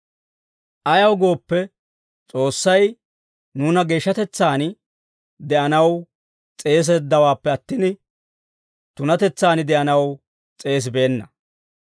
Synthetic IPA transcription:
ʔɐjɐwɡo̞ːpːɛ | t͡sʼo̞ːsːɐj | nuːnɐɡe̞ːʃːɐt̪ɛt͡sːaːnɪ | d̪ɛʔɐnɐw | t͡sʼe̞ːs̬ɛd̪ːɐwaːpːɛɐt̪ːinɪ | t̪ʊnɐt̪ɛt͡sːaːnɪd̪ɛʔɐnɐw | t͡sʼe̞ːs̬be̞ːnːɐ

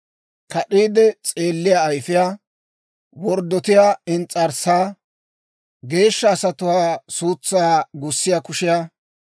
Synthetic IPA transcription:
kɐɗiːd̪ɛt͡sʼe̞ːlːɪjaːjfɪjaː | wɔɾd̪ːɔt̪ɪjaːɪnt͡sʼɐɾsaː | ɡe̞ːʃːɐːsɐt̪ʊwaːsuːt͡sːaaɡʊsːɪjakʊʃɪjaː

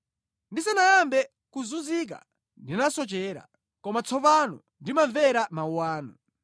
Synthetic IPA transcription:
ndisɛnajambɛ | kuzunzik̬a̰ | ndinasɔt͡ʃɛːɾa̰ | kɔmat͡sʰɔpanɔ̰ | ndimaɱvɛɾamauwaːnɔ

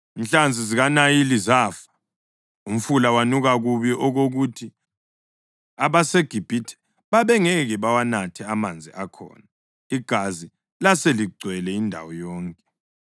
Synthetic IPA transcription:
inɬand͡zʱiziɣanajilizaːfḁ | um̩fulawanuɣaɣuβiʔoɣoɣutʰi | aβaseɡ̥ʱib̥ʱitʰɛ̥ | βaβɛŋɛɣɛβawanatʰɛamand͡zʱḭʔakʰɔ̰ːna | iɡ̥ʱazi | laseliɡ͡ǀʱwɛlɛindʱa̰wɔjɔːŋkʼɛ

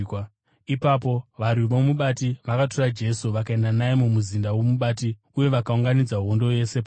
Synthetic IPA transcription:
ipapo̞ʋaɾwiʋo̞muɓatiʋakato̞rad͡ʒe̞suʋakae̞ndanaemumuzindawomuɓat̬i | uje̞ʋakauŋɡanid͡zaɦondo̞je̞se̞pa

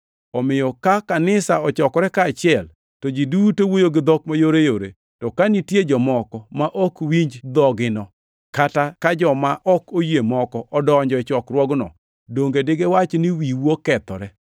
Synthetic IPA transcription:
ɔmɪjɔkakanɪsaɔt͡ʃɔkɔɾɛkaːt͡ʃɪɛl | tod͡ʒidutowojoɡɪd̪ɔkmajoɾejoɾḛ | tɔkanitjed͡ʒɔmɔkɔmaʔɔkwiɲd͡ʒd̪ɔɡɪnɔ | katakad͡ʒɔmaʔɔkojemɔkɔʔɔdɔɲd͡ʒɔɪt͡ʃɔkɾwɔɡnɔ̰ | doŋɡedɪɡewat͡ʃniwiwokɛt̪ɔ̰ɾɛ

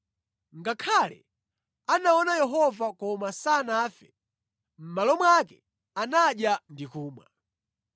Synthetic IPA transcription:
ŋɡakʰalɛ̰ | anaɔnajɛɦɔvakɔmasanaːfɛ | m̩malɔmwakɛ | anaɗjandikuːmwa̰

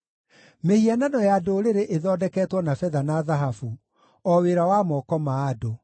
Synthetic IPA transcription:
mehiananɔjaːdoːɾeɾeʔeðɔːdɛkɛtwɔnafɛðanaðaɦafu | ɔweɾawamɔkɔmaːdo

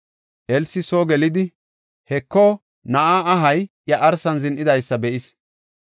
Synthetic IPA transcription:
ʔɛlsɪsoːɡɛlɪd̪ɪ | hɛkːɔ | nɐʔaːɐɦɐj | jɐʔɐɾsɐnzɪnʔɪd̪ɐjsːɐbɛʔɪs

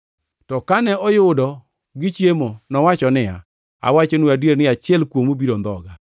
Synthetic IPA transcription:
tɔkanɛʔɔjʊdɔ | ɡɪt͡ʃjemonɔwat͡ʃɔnɪa̰ | a̰wat͡ʃonuadeɾnɪat͡ʃɪɛlkwomobiɾond̪ɔɡa

